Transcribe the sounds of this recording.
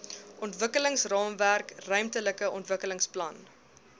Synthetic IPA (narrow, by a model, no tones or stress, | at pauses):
ʔɔntvəkələŋsrɑːmværkrœɥmtələkəɔntvəkələŋsplɐn